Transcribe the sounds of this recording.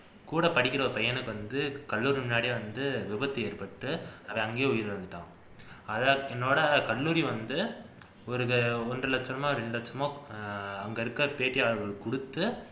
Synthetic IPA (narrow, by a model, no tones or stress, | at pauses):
kuːɽɐpɐɽɪkʲːɪɾɐɔɾɯpɐjɐnɯkːɯʋɐnd̪ɯkɐlːuːɾimɪnːaːɽieːʋɐnd̪ɯʋɪbɐt̪ːɯeːrpɐʈːɯɐʋɐ̃ɐŋɡeːʊjɪɾʋɐnd̪ɯʈːã̰ː | ɐðɐɛnːoːɽɐkɐlːuːɾiʋɐnd̪ɯ | ɔɾɯɔndrɯlɐt͡ʃːɐnɐmaːɾɛɳɖlɐt͡ʃːɐmõː | ɐŋɡɐɪɾɯkːɐpeːʈːijaːɭɯɣɐɭkʊɽɯt̪ːɯ